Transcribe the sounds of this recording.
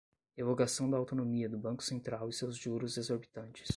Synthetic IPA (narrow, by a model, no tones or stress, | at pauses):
hevoɡasɐ̃w̃d̪ɐawt̪onomiɐd̪ʊbɐ̃kʊ̥sẽnt̪ɾawɪsewzʒuɾʊzd̪ezoɾbit̪ɐ̃nt͡ʃɪ̥s